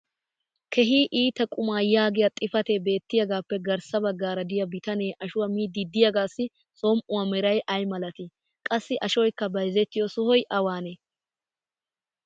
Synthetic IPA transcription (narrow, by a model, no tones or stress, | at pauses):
kʰɛɦiːʔiːt̪ːɐkʼʊmaːjaːɡɪjɐt̪ʼɪfɐt̪ebe̞ːt̪ːɪjɐɡaːpːɛɡɐɾsɐbɐɡːaːɾɐd̪ɪjɐbɪt̪ɐneːʔɐʃʊwɐmiːd̪ɪd̪ːɪjɐɡaːsːɪ | somʔʊwɐmɛɾɐjʔɐjmɐlɐt̪ɪ | kʼɐsːɪʔɐʃɔjkːɐbɐjzɛt̪ːɪjɔsɔhɔjʔɐwaːne